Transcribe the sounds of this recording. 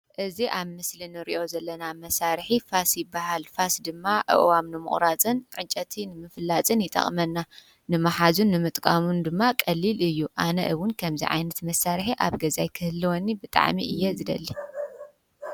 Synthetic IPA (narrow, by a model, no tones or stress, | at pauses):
ʔɨziʔaβmɨslinɨɾḭʔo̞zɐlːɐnamɐsaɾħifasjɪbːahalfasd̪ɨmːaʕɨ̰ʔwamnɨmɨ̰χʼɾat͡sʼɨnʕɨt͡ʃʼːɐt̪ʰinɨmɨflat͡sʼɨnjɪt̪ʼɐ̰χʼmɐnːa | nɨmaħazunːɨmɨt̪ʼkʼamund̪ɨmːakʼɐlːilɨjːuʔa̰nɐ̰ʔɨwʊnkʰɐmzḭʕa̰jnɐt̪mɐsːaɾħiʔa̰βɡɐzajkʰɨhɨlːiwɔnːibɨt̪ʼa̰ʕmḭʔɨjːɛzɨd̪ɐlːi